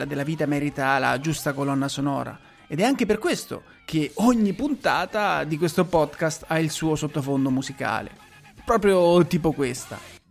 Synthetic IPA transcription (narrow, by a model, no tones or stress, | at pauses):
lad̪elːaviːt̪amɛɾit̪aːlːa̰d͡ʒust̪akolɔnːasonɔ̰ːɾa̰ | ed̪ɛaŋk̟eperkwest̪o̰ | k̟eoɲːipunt̪aːt̪ad̪ikwest̪opɔd̪kast̪ailsuːosot̪ːofond̪omuzika̰ːlḛ | pɾɔːpɾjot̪iːpokwest̪a̰